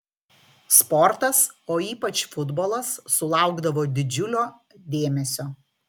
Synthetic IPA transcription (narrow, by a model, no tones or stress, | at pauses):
spɔɾt̪ɐsoːiːpɐt͡ʃfʊd̪bolˠɐsːʊlˠɑˑʊɡd̪ɐʋoːd̪ʲɪd͡ʒʲʊlʲoː | d̪ʲeːmʲɛsʲoː